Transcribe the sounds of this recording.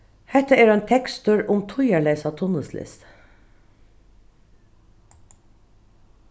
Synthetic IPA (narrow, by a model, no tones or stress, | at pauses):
hɛt̪əeːɾeːnt̪ʰɛkst̪ʉɹʊmt̪ʰʊjəɭeɪsɑt̪ʰʊnəslɪ̰st̪